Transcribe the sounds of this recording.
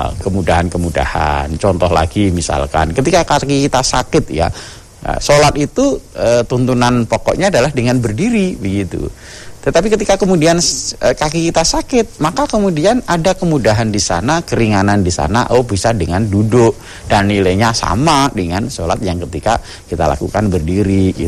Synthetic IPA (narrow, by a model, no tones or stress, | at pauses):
kəmudaɦankəmuda̰ha̰nt͡ʃɔnt̪ɔhla̰ɡimisa̰lka̰nkət̪ikakakikit̪asa̰kɪt̪̚ja̰ | solat̪it̪uʔət̪unt̪unanpɔkɔ̰ʔɲaːdalahdəŋanbərdiɾibəɡit̪ṵ | t̪ət̪ap̬ikət̪ikakəmudianəkakikit̪asakɪt̪̚makakəmudianadakəmudaɦandisa̰nakəɾiŋanandisa̰na̰ʔobisadəŋandudʊʔ | danːilajɲasa̰madəŋansola̰t̪̚jaŋkət̪ika̰ | kit̪a̰la̰kṵkanbərdiɾiɡḭ